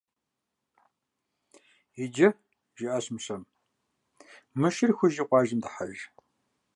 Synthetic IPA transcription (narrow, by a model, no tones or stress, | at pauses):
ɪd͡ʒɐ | ʒɪʔɐɕmɕɐm | mɨʃɪrxʷʊʒiːqʷɑːʒɪmdɨħaʒ